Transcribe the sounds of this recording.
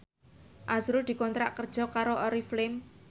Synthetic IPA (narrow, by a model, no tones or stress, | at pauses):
ʔazɾud̪̥i̤kɔnt̪ɾaʔkərd̥ʒ̥ɔ̤kaɾoʔɔɾiflɪm